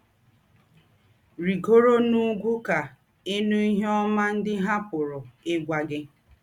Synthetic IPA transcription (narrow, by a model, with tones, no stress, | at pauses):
ɾi˨ɡo˦ɾo˦nu˦ɡʷu˦ka˨ | e˦nu˦i˦ɦe˦ɔ˦ma˦n̩˦dɪ˦ɦa˦pʊ˨ɾʊ˨ɪ˦ɡʷa˨ɡɪ˦